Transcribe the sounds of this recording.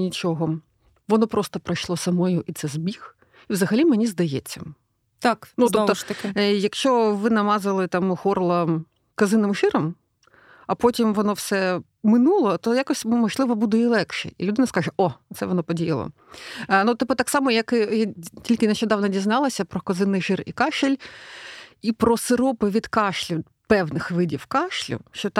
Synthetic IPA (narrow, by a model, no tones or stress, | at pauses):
nʲit͡ʃɔɦɔ | ʋɔnɔpɾɔst̪ɔpɾɐjʃlˠɔsɐmɔjʊʔit̪sɛzbʲix | iʋzɐɦɐlʲimenʲizd̪ɐjɛt͡sʲːɐ̰ | t̪aknut̪ɔpt̪ɔt̪ɐkɪjɐkʃt͡ʃɔʋɪnɐmɑzɪlˠɪt̪ɑmxɔrlˠɐ | kɐzɪnɪmʃɪɾɐm | ɐpɔtʲimʋɔnɔwsɛ | mɪnulˠɔt̪ɔjakɔsʲmɔʒlˠɪʋɔbud̪ɛilˠɛkʃɛ̰ilʲʊd̪ɪnɐskɑʒɛʔɔt̪sɛʋɔnɔpɔdʲijɐlˠɔ̰ | nut̪ɪpɔt̪ɑksɑmɔjɐkɪjatʲilʲkɪneʃʲt͡ʃɔd̪ɑwnɐdʲiznɑlˠɐsʲɐpɾɔkɐzɪnːɪjʒɪrḭkɑʃɪlʲ | ipɾɔsɪɾɔpɪʋʲid̪kɑʃlʲʊ | pɛwnɪxʋɪdʲiwkɑʃlʲʊ̰ʃt͡ʃɔt̪